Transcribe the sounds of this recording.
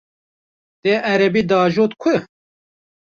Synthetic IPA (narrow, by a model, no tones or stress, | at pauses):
t̪eːʔæɾɛbiːd̪aːʒoːt̪kʷʰɨ